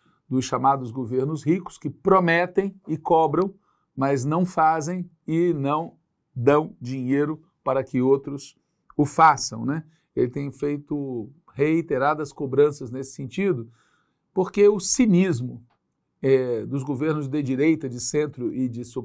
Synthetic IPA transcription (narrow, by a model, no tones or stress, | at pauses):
d̪ʊsʃamad̪ʊzɡoveɾnʊzhikʊ̥skɪpɾomɛt̪ẽj̃ɪkɔbɾɐ̃w̃ | mɐznɐ̃w̃fazẽj̃ | ɪnɐ̃w̃ | d̪ɐ̃w̃d͡ʒiɲejɾʊ | paɾɐkɪowt̪ɾʊs | ʊfasɐ̰̃w̃nɛ | elɪt̪ẽj̃fejt̪ʊ | heit̪eɾad̪ɐskobɾɐ̃sɐznesɪ̥sẽnt͡ʃid̪ʊ | poɾkeʊsĩnizmʊ | ɛd̪ʊzɡoveɾnʊzd̪ɪd͡ʒiɾejt̪ɐd͡ʒɪsẽnt̪ɾʊʔɪd͡ʒɪsu